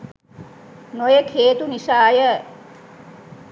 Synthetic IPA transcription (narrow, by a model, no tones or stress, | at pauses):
nojekʰeːt̪uniʃaːjə